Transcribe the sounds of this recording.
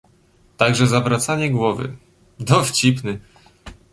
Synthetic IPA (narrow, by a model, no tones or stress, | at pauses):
t̪aɡʐɛzabɾat̪saɲɛɡwɔvɘ̰ | d̪ɔft͡ɕipnɘ